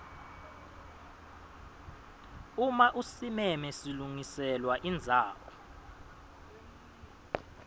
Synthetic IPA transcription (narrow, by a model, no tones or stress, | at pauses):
umaʔusimɛmɛsiluŋisɛlwaʔind͡zʱaːwɔ̰